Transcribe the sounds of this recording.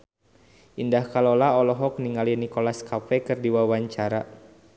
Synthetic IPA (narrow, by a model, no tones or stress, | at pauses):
ʔindahkalɔlaɔlɔɦɔk̚niŋalinikolaskafɛkɨrdiwawaɲt͡ʃaɾa